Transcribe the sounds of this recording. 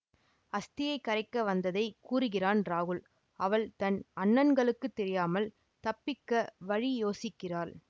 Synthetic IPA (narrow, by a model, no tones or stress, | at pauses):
ɐst̪ɪjɐɪkːɐrɐɪkːɐʋɐnd̪ɐðɐɪkuːrɯɣɪraːnɾaːɣɯɭ | ɐʋɐɭt̪ɐnɐɳːɐnɡɐɭɯkːɯt̪ːɛɾɪjaːmɐl | t̪ɐpːɪkːɐʋɐɻijoːsɪkːɪraːɾ